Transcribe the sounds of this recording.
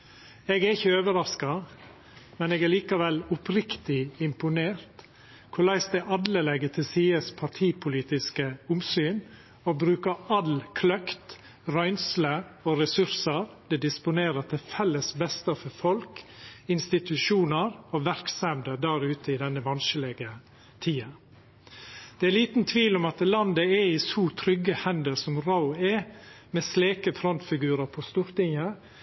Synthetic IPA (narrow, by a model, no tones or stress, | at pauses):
eːɡɛɪçəøːʋəɾɑskɑ | mɛneːɡɛliːkɑʋɛlʊpʰɾɪkt̪ɪɪmpʊneːɾt̪ | kʰʊlæɪsd̪ɛʔɑd̪ləlɛɡət̪ʰɪlsiːəspʰɑʈʰiːpʰʊliːt̪ɪskəʊmsyːn | obɾʉːkəɑlkʰlœkt̪ | ɾœʏnsləoɾɛsʉɾsəɾd̪̥ɛd̪ɪspʊneːɾət̪ʰɪfɛlːəsbɛst̪əfɔɾfɔlkɪnst̪ɪt̪ʉʃuːnəɾoʋæɾksɛmd̪əd̪æɾʉːt̪əɪd̪ɛnːəʋɑnʃəlɛɡə | t̪ʰiːɑ | d̪̥ɛæliːt̪n̩t̪ʰʋiːlɔmɑt̪lɑnd̪əɛɪsuːt̪ʰɾʏɡəhɛnd̪əɾsɔmɾaʊɛ | mɛsleːkəfɾɔnt̪fɪɡʉːɾəɾpʰɔst̪uːɾt̪ɪŋə